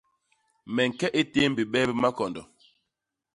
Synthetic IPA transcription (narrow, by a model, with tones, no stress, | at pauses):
mɛ˨ŋ̩˨kɛ˦ʔe˦te˦m̩˨bi˨ɓɛː˦bi˦ma˦kɔ˨ndɔ˨